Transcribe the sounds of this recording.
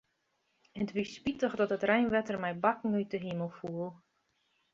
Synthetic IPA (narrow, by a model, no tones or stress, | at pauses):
ətʋisspitəxdɔtətrɛjnʋɛtərmɛjbakŋ̩yjtəɦiməlˠfuəlˠ